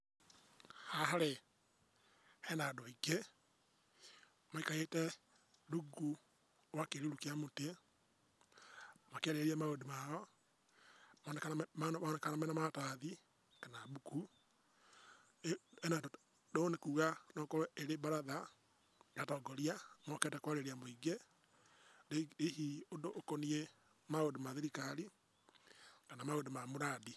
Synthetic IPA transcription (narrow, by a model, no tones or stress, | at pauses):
haɦaɾe | hɛnadoike | maikaɣetɛ | ɾuɡu | wakeɾiɾukeamote | makɛɾeɾiɛmaodimajɔ | mɔnɛkamanɛkanamɛnamataði | kanabuku | ɛnato | donekuːɣanɔkɔɛeɾebaɾaða | ɡatɔɡɔɾiamɔkɛtɛkwaɾeɾiamoiɡe | ɾehiondoʔːkonie | maodomaðeɾikaɾi | kanamaodemamoɾadi